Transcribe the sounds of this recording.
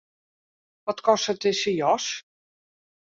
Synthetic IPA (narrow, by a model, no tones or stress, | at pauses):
ʋɔtkɔsətɪsəjɔs